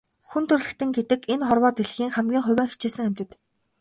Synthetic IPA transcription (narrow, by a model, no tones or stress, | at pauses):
xunt̪ʰɵ̆rɮɘ̆kt̪ɘ̆ŋɡet̪ɘ̆kenχɔrwɔːt̪eɮxiːŋχæmɡʲiːŋχʊ̟wʲæːŋxit͡ɕeːsɘ̆ŋæm̥ʲt̪ɘ̆t̪